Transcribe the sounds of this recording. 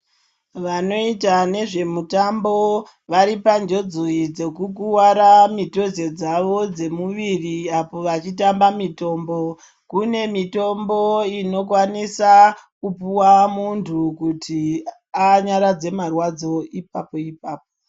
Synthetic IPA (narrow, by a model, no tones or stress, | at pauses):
ʋano̞itane̞ʐe̞mutambo̞ | ʋaɾipand͡ʒo̞d͡zoid͡ze̞kuk̬uwaɾamito̞ze̞d͡zaʋo̞d͡ze̞muʋiriapo̞ʋat͡ʃitambamito̞ːmbo̞ | kune̞mito̞mbo̞ino̞k̬wanisakupuwamuntʰukutʰi | aɲaɾad͡ze̞marwad͡zo̞ip̚apo̞ipaːp̚o